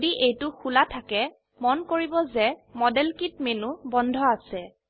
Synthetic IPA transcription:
diʔejtʊxulatʰakɛ | mɔnkoɹibɔzɛmɔdɛlkit̚menubɔndʱɔasɛ

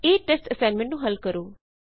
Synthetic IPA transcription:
eːʈesʈəsaːnmẽɳʈnũːɦɐlkəɾoː

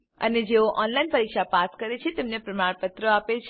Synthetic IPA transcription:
ə̰ned͡ʒeoʔɔnlainpəɾikʃapaskəɾet͡ʃʰet̪emnepɾəmaɭpət̪ɾəapet͡ʃʰ

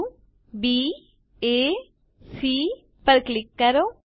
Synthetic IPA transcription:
biː | eː | siː | pəɾklɪkːɐɾoː

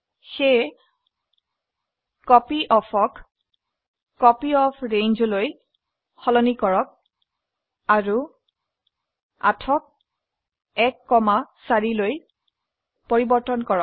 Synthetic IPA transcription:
xe | kɔpiʔɔpʰɔk | ɔpiɔpʰɹenzɔloj | xɔlɔnikɔɹɔk̚ | aɹu | a̰tʰɔk̚ | ɛkːɔmasaɹiloj | poɹibɔɹtɔnkɔɹɔk̚

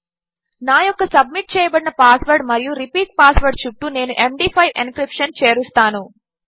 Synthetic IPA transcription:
naːjɔkːɐsɐb̚miʈ̚t͡ʃɛːjɐbɐɽinɐpaːsʋɐɾɖmɐɾijuɾipiːk̚paːsʋɐɾɖt͡ʃuʈːune̞ːnuʔe̞mɖiːpʰɐjʋinkɾipʂɐnt͡ʃe̞ːɾust̪aːnu

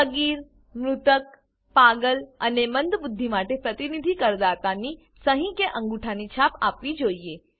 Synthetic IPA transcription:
əɡiːɾ | mɾʊt̪ək̚ | paɡələnemənd̪bʊd̪ʱːimaʈepɾət̪inid̪ʱikəɾd̪at̪ani | səɦĩkeʔə̃ŋɡuʈʰanit͡ʃʰapa̰pʋid͡ʒoie

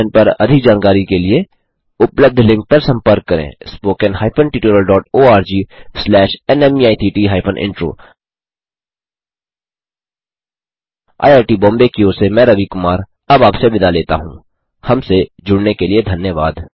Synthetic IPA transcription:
npɐɾɐ̰d̪ʱɪk̚d͡ʒaːnkaːɾikelie | ʊpləb̚d̪ʱlɪ̃ŋk̚pɐɾsɐ̃mpəɾkːɐɾḛ̃ːspoːkənɦaːɪpʰənʈiːʈoːɾəlɖɔːʈoːaːɾd͡ʒiːslɛːʃɛnɛmiaːit̪ʰiːʈiːɦaːpʰənʔɪ̰̃ɳʈɾo̰ː | a̰ːjaːɾʈibɔ̃ːmbekioːsemɛ̃ːɾɐʋikʊmaːɾ | ɐbaːpsebɪd̪aleːt̪a̰ɦṵ̃ː | hɐmsed͡ʒʊɽnekelied̪ʱɐnjəʋaːd̪

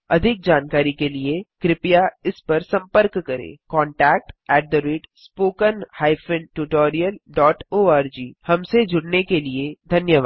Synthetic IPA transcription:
ɐd̪ʱɪk̚d͡ʒaːnkaːɾikeliekɾɪpjaɪspɐɾsɐ̃mpəɾkːɐɾḛ̃ːkɔ̃ːɳʈɛːk̚ʈɛːʈ̚d̪əɾiːɖspoːkənhaːɪfɪ̃nʈuʈoːɾijəlɖɔːʈoːaːɾd͡ʒiːhɐmsed͡ʒʱʊɽnekelied̪ʱɐnjəʋaːd̪

